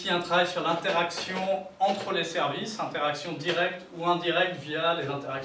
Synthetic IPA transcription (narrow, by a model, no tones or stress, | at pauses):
iɛ̃t̪χavajsyʁlɛ̃t̪ɛʁaksjɔ̃ | ɑ̃t̪χəlesɛʁvisɛ̃t̪ɛʁaksjɔ̃d̪iʁɛk̚t̪uɛ̃d̪iʁɛk̚t̪vijalezɛ̃t̪ɛʁaks